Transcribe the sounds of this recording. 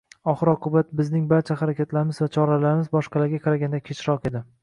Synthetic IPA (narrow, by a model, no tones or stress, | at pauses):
ɒχɨɾɒqʰʊbat̪̚bɪznɪŋbaɾt͡ʃʰaχaɾakʲat̪laɾɪmɪzvat͡ʃʰɒɾalaɾɪmɪzbɒʃqɑlaɾɡʲaqʰɑɾaɡʲand̪akʲʰet͡ʃʰɾɒqe̞d̪ɪ